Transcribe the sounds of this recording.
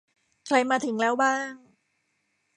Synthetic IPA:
kʰɾa˧jmaː˧t̪ʰɯ˩˦ŋlɛː˦˥wbaː˥˩ŋ

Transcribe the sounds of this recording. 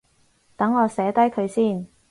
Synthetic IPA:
t̪ɐ˨˥ŋːɔː˨˧sɛː˨˥t̪ɐ˥jkʰɵ˨˧ɥsiː˥˩n

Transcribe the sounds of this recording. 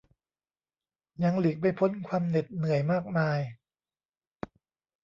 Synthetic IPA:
ɲa˧ŋli˨˩k̚pa˧jpʰo˦˥nkʰwaː˧mne˨˩t̪̚nɯ˨˩˦əjmaː˥˩k̚maː˧j

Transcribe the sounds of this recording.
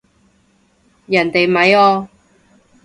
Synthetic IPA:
jɐ˨˩nt̪e˨jmɐ˨jɔː˧

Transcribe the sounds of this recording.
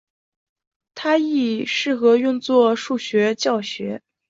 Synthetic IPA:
t̪ʰa˥i˥˩ʂɻ̩˥˩xɤ˧˥y˥˧ŋt͡swɔ˥˧ʂu˥˩ɕɥɛ˧˥t͡ɕjɑ˥˩ʊɕɥɛ˧˥

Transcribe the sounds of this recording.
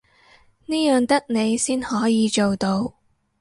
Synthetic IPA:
niː˥jœː˨ŋt̪ɐ˥k̚ne˨˧jsiː˥nhɔː˨˥jiː˨˧t͡ʃo˨wt̪o˧w

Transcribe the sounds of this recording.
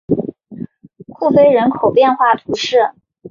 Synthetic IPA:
xu˥˩fe˥ɪɻə˧˥nkʰo˨˩ʊpjɛ˥˧nxwa˥˩t̪ʰu˧˥ʂɻ̩˥˩

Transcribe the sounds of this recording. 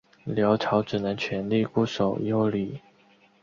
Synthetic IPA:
ljɑ˧˥ʊʈ͡ʂʰɑ˧˥ʊʈ͡ʂ̩˨˩nə˧˦ŋt͡ɕʰɥɛ˧˥nli˥˧ku˥˩ʂo˨˩ʊjo˥˩ʊli˨˩˦

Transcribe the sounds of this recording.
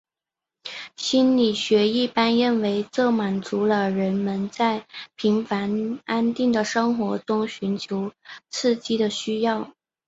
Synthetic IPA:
ɕi˥nli˨˩ɕɥɛ˧˥i˥˩pa˥nɻə˥˩nwe˧˥ɪt͡sɤ˥˩ma˨˩nt͡su˧˥lə˧ɻə˧˥nmə˧nt͡sa˥˩ɪpʰi˧˥ŋfa˧˥na˥nt̪i˥˩ŋd̪ə˩ʂɤ˥ŋxwɔ˧˥t͡sʊ˥ŋɕy˧˥nt͡ɕʰjo˧˥ʊt͡sʰɹ̩˥˩t͡ɕi˥d̪ə˨ɕy˥jɑ˥˩ʊ

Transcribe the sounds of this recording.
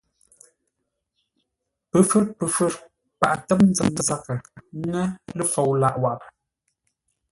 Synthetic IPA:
pə˨fə˦ɾpə˨fə˦˨ɾ | pa̰˨ʔtə˦p̚n˦d͡zə˨ŋə˨za˦kə˨˦ŋə˦lə˦fo˨wla˦˨ʔwa˨ʔp

